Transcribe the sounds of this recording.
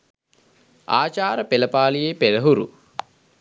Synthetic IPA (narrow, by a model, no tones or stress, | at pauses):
aːt͡ʃaːɾəpeləpaːlijeːpeləɦuɾṵ